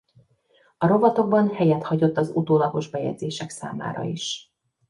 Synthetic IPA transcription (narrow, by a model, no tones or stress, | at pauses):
ɒɾo̞vɒt̪o̞ɡ̚bɒnhɛjɛt̪hɒɟo̞t̪ːɒzut̪oːlɒɡo̞ʒbɛjɛ̰dzeːʃɛksa̰ːma̰ːɾɒ̰iʃ